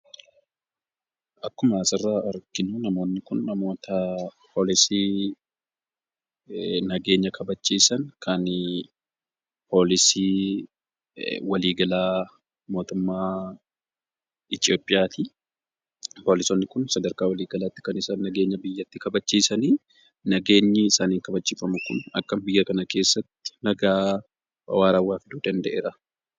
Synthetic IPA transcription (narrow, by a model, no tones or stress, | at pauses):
ʔɐkːʊmɐːsɐrːaːʔɐɾkɪnʊnɐmo̞ːnːɪkʊnːɐmo̞ːt̪ɐpʰoːlɪsiː | nɐɡe̞ːɲːɐkʰɐbɐt͡ʃːiːsɐnkʰɐn | po̞ːlɪsiː | wɐliːɡɐlaː | mo̞ːt̪ʊmːaː | ɪt̪ɪo̞ːpʼːɪjaːt̪ʰi | po̞ːlɪsɔnːɪkʊnsɐd̪ɐɾkaːwɐliːɡɐlaːt̪ːɪ̥kɐnɪsɐnːɐɡe̞ːɲːɐbɪjːɐt̪ːɪkɐbɐt͡ʃːiːsɐniː | nɐɡe̞ːɲːɪɪsaːniːŋkɐbɐt͡ʃːiːfɐmʊkʊ̰nɐ̰kːɐmbɪjːɐkɐnɐke̞ːsːɐt̪ːɪ̥nɐɡaː | ɐ̰waːɾɐwːaːfɪd̪uːd̪ɐnd̪ɛʔeːɾɐ